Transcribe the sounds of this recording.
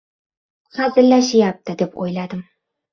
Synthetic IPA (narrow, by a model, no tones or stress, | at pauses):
fazɪlːaʃɪjap̚t̪ʰɪd̪e̞po̰jlad̪ɪm